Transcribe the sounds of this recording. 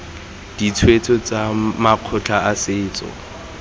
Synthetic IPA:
d̥it͡sʰwet͡sʰʼɔt͡sʼamaq͡χʰʊt͡ɬʰaasɪːt͡sʼɔ̰

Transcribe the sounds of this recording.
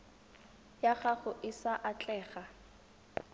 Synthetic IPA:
jaχaχʊʔɪsaʔat͡ɬʼɛːɣa

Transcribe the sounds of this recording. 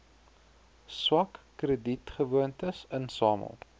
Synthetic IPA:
swɐkːrəditχəvuəntəsənsɑːmə̰lˠ

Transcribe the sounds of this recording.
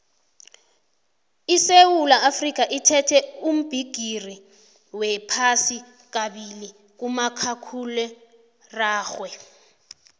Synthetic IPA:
isewulaʔafrik̬ʼaʔitʰɛtʰɛum̩b̥ʱiɡ̥ʱiri | wɛpʰasi | k̬aɓili | k̬umakʰakʰulɛ | raːxwɛ

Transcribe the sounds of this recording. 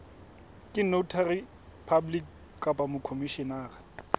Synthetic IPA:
kʼɪnoutʰarɪ | pʰablik | kapʼamʊkʰomiʃɔnaːɣa

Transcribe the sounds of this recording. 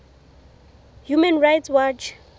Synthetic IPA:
jumɛ̃nɹajtswat͡ʃ

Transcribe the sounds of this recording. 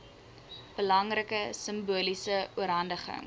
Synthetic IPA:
b̥əlɐŋrəkəsəmbuəlisəuəɾɦɐndəχə̰ŋ

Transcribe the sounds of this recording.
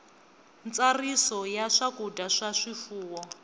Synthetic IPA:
nt͡sarisɔjaʂakudaʂaʂifuːwɔ

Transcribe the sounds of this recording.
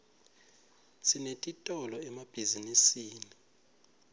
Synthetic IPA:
sʰinetʼitʼɔlɔɛmab̥ʱizinisiːni

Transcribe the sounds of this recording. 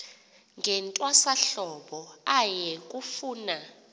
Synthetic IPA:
ŋɛntʼwasaɬɔɓɔajɛk̬ʼufuːna

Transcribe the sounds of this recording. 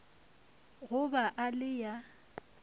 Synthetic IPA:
ɣʊbaʔalɪja

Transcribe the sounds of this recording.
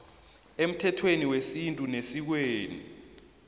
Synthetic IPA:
em̩tʰɛtʰweniwesintʼunesik̬weːnḭ

